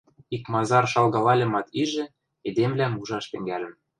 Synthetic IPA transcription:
ikmɑzɑrʃɑlˠɣɑlɑlʲĕmɑt̪iʒɘ̆ | ed̪emlæmuʒɑʃt̪ɘ̆ŋɡælʲɘ̆m

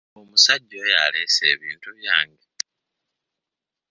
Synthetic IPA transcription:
omusaɟːoja̰le̞ːse̞̰ːβiːntuβjaːŋɡe

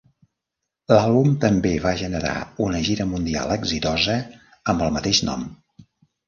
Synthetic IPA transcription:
lalˠβumt̪əmbeβaʒənəɾa̰unəʒiɾəmund̪ia̰lˠəɡzit̪ɔzə | əmbəlˠmət̪eʃnɔ̰m

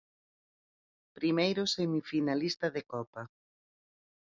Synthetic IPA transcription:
pɾimejɾʊsemifinalist̪ɐðekɔpa

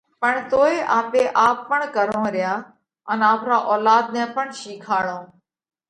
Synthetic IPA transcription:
pəɳt̪oːeːʔaːmbeːʔaːpːəɳkəɾõːɾɪjaː | ənaːpɾaːʔɔːlaːd̪̚nɛ̃ːpəɳʃiːkʰaːɽõː

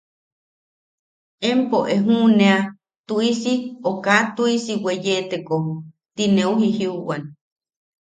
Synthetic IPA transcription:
empoʔeɦũnea | t̪uisiokat̪uisiwejet̪ekohu | t̪ineuɦihiuʔwan

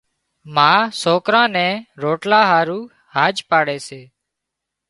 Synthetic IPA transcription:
mãːsoːkɾãːnɛ̃ːɾoːʈlãːɦaːɾũː | haːd͡ʒpaːɽɛːseː

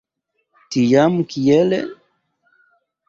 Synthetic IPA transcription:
tijamkijɛlɛ̰

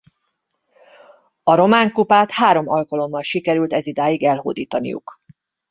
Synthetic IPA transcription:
ɒɾo̞maːŋkupaːt̪haːɾo̞mɒlkɒlo̞mːɒlʃikɛɾylt̪ɛzid̪aːjiɡɛlɦo̰ːd̪iːt̪ɒnḭjṵk

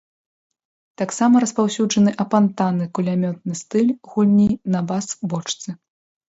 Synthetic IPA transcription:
t̪aksamɐɾɐspawsʲud͡ʐɐnɨʔɐpant̪anɨkulʲamʲɔt̪̚nɨst̪ɨlʲɣulʲnʲijnɐbasbɔt͡ʂt̪sɨ

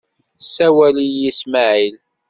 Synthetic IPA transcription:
sːæwæliismaʕil

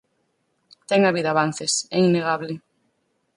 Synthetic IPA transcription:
t̪ɛŋaβiðaβan̟θesɛineɣaβlɪ

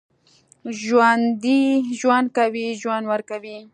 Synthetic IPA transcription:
ʒwand̪iʒwand̪̚kawiʒwand̪waɾkawi

